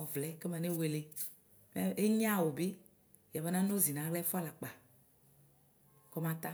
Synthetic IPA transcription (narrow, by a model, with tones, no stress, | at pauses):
ɔ˨vlɛ˨˦ke˦mɛ˨ne˦we˨le˨ | mɛ˦e˦ɲ˦ã˦˨wo˨bi˦ | ja˨be˨˦nã˦no˦zi˨nã˨˦ɣlɛ˦fa˦la˨k͡pa˨ | kɔ˦mã˦t̪a˦